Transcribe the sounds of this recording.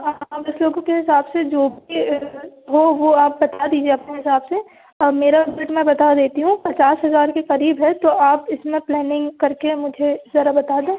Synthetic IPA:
ɦãːbɐsloːɡõkeɦɪsaːbsed͡ʒoːbʱi | ɦoʋoaːp̚bɐt̪ad̪iːd͡ʒieɐpneɦɪsaːbse | ɐbmeːɾabɪlʈmɛ̃bɐt̪ad̪eːt̪iɦũpɐt͡ʃaːsɦɐzaːɾkeqɐɾiːbɦɛt̪oʔaːpɪsmẽplɛːnɪ̃ŋɡkɐɾkemʊd͡ʒʱezɐɾabɐt̪aːd̪ẽː

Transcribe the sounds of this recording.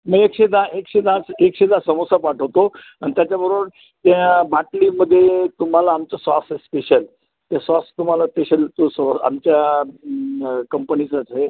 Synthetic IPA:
məɡekɕed̪ʱaʔekɕed̪at͡sekɕed̪ʱasəmosapaʈʰəʋt̪o | añit̪jat͡ɕabəɾʋəɽ | t̪ãbaʈliməd̪ʱːjet̪um̤alaːmt͡sasasespeɕəl | t̪jasast̪um̤alaspeɕəlt̪osəa̰mt͡ɕja | kəmpənit͡sat͡sɦe

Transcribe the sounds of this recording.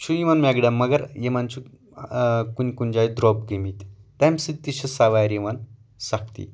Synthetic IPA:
t͡ɕʰuiʋanmɛɡɖaməɡəɾjemant͡ɕu | kunkund͡ʑaid̪ɾɔb̚ɡemit̪ːamsit̪ːiɕəsaʋajɾiʋan | sakt̪ḭ

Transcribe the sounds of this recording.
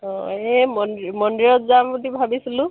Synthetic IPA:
ɔ̃emɔndmɔndɹijɔtzamɡudibʱabisilʊ̃

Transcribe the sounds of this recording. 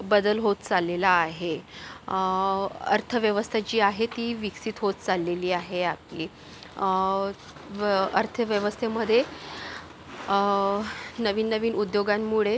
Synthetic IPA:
bəd̪əlɦot̪t͡salelaːɦe | ə̰ɾt̪ʰəʋjəʋəst̪ʰat͡ɕiːaɦet̪iːʋiksiːt̪ɦot̪̚t͡salːeliːaɦeapliː | ə̰ɾt̪ʰəʋjəʋəst̪ʰeməd̪ʱːje | nəʋiːnːəʋiːnud̪joɡanːuɭe

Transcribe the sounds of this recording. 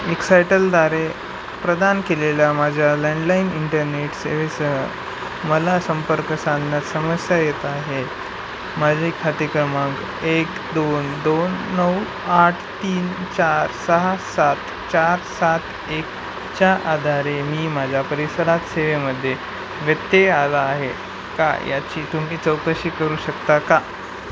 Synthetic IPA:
eksajʈəld̪aɾe | pɾəd̪ankelelamad͡ʑʱjaleɳɖlainiɳʈəɾneʈsḛʋesəɦə | məlasəmpəɾkəsanːasəməsjajet̪aɦe | mad͡ʑʱekʰːat̪ikɾəmak | ek | d̪ond̪onːəw | aʈʰt̪iːnt͡ɕaɾsəɦasat̪ | t͡ɕaɾsat̪ʰ | ek | t͡ɕjaʔad̪ʱaɾemiːmad͡ʑʱapəɾisəɾat̪seʋeməd̪ʱːje | ʋjət̪ːealaːɦe | ka̰ja̰t͡ɕiːt̪um̤iːt͡səwt̪əɕiːkəɾuːɕəkt̪aka

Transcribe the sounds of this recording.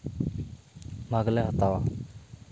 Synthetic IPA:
maːɡlɛːɦət̪aːʋaː

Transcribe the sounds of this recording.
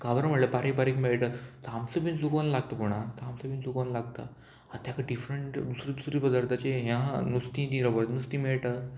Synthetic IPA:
kabɾəm̤əʈləpaɾek̚paɾekmeɭʈət̪amsəbinsukonlaɡ̚t̪əpuɽ̃at̪amsəbiːnsukənlaɡ̚t̪a̰ | at̪jakaɖifɾəɳʈd̪usɾid̪usɾiːpəd̪aɾt̪ʰat͡ɕeɦjãnust̪ĩt̪ĩɾəbəɾnust̪ĩmiɭʈa

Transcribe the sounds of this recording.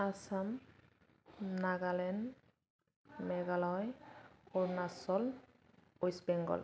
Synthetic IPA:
asam | naɡalɛn | mɛɡalɔjɔɹnasɔl | ojsbɛŋɡɔ̰l

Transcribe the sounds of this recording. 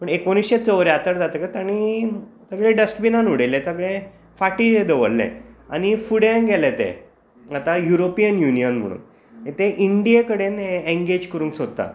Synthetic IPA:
pəɳekoñisɕet͡səʋəɾeat̪əɾd͡zat̪əkət̪aɽ̃isəɡɭẽɖəsʈbinanuɽelẽt͡səɡɭẽ | faʈied̪əʋə̰lːḛ̃a̰ñifuɽjenɡɛlet̪ḛ | at̪ajuɾopijənjunijənm̤ə̰ɽ̃ṵːn | ẽt̪eʔiɳɖiekəɽeneẽŋɡed͡ʑkəɾũːŋksod̪̚t̪a̰

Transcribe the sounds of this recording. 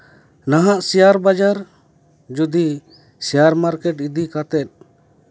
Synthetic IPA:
naɦaʔsɛjaɾbad͡ʒaɾ | d͡ʒud̪i | sɛjaɾmaɾkɛʈid̪ikat̪ɛt̪̚

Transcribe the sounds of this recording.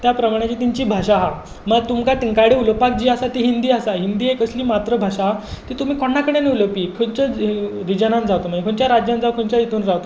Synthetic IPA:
t̪japɾəmaɽ̃at͡ɕiːt̪iɲt͡ɕiːbʱaɕaɦa | məɡt̪umkat̪iŋkaɽiuləpak̚d͡ʑiːəsat̪iɦind̪iːəsaɦind̪iːekəsliːmat̪ɾəbʱaɕaɦat̪it̪um̤iːkʰoɳːakəɽ̃eneuləpiːkʰənt͡ɕəɾid͡ʑənãnd͡zawt̪omaekʰoɳt͡ɕjaɾad͡ʑjãnd͡zaʋkʰoɳt͡ɕjait̪uːnd͡zawt̪o

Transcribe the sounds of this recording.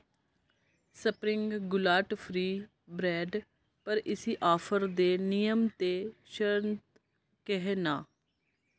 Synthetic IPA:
səpɾɪŋɡɡʊlaːʈpʰɾiː | bɾɛːɖ | pəɾɪsiːʔaːfʰəɾd̪eːnijəmt̪eːʃəɾənt̪ | kɛɦenaː

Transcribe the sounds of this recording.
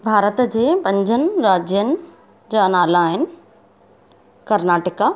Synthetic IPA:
bʱaːɾət̪d͡ʑeːpɐ̃ɲd͡ʑʱənɪ̆ɾaːd͡ʑjənɪ̆ | d͡ʑaːnaːlaːɦɪnɪ̆ | kɐɾnaːʈəka

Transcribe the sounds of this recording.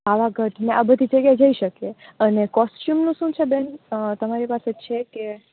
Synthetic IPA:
aʋaɡʱəʈneʔabəd̪ʱid͡ʒəɡjad͡ʒəiʃəkeənekɔsʈjumnũʃũt͡ʃʰebɛnt̪əmaɾipaset͡ʃʰeke

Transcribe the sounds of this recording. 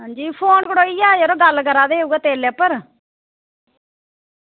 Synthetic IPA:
ɦãːd͡ʒiːpʰoːnkəɽoːiːjaːjeɾoːɡəlkəɾaːd̪eːeːuːɡaːt̪eːleːpəɾ

